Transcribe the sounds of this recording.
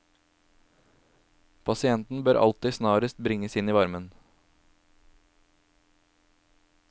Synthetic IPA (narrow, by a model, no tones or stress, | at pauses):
pʰɑsɪɛnt̪n̩bøːɾʔɑ̰lt̪ɪsnɑːɾəst̪̚bɾɪŋəsɪniːʋɑɾmən